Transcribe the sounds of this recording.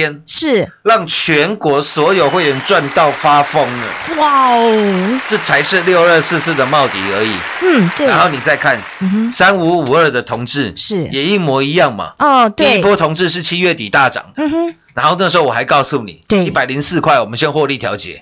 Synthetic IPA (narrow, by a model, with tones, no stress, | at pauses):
ɛ˥nʂɻ̩˥˩ | lɑ˥˩ŋt͡ɕʰɥɛ˧˥nkwɔ˧˥swɔ˧˥jo˨˩ʊxwe˥˩ɪɻə˧˥nʈ͡ʂwa˥˧nt̪ɑ˥˩ʊfa˦fɤ˥ŋə̰˨wa˥˨˩ | ʈ͡ʂɤ˥˩t͡sʰa˧˥ɪʂɻ̩˥˧ljo˥˧ʊə˥˧s̩˥˧sɹ̩˥˩d̪ə˩mɑ˥˧ʊt̪ḭ˨˩ə˨˧˥ḭ˨˩˦e˥˧a˦nxo˥˩ʊni˨˩t͡sa˥˧ɪkʰa˥˩n̩˨˩sa˥nu˧˥u˨˩ə˞˥˧d̪ə˩t̪ʰʊ˧˥ŋʈ͡ʂɻ̩˥˩ʂɻ̩˥˩jɛ˨˩i˥˩mwɔ˧˥i˧˥jɑ˥˩ŋmɐ̰˩ɔ˥˩t̪i˥˧i˦pʰwɔ˥t̪ʰʊ˧˥ŋʈ͡ʂɻ̩˥˧ʂ̬ɻ̩˥˩t͡ɕʰi˦˥ɥɛ˥˩t̪i˨˩t̪a˥˩ʈ͡ʂɑ̰˨˩ŋd̪əə˦˧˥na˧˦nxo˥˧nə˥˩ʂ̩˧xo˥˩wɔ˨˩xa˧˥ɪkɑ˥˧ʊsu˥˩nḭ˨˩we˥˩i˥˩pa˨˩ɪli˧˥ŋsɹ̩˥˧kʰwa˥˩ɪwɔ˨˩mə˦ɕjɛ˥nxwɔ˥˧li˥˩t̪ʰjɑ˧˥ʊt͡ɕjɛ̰˨˦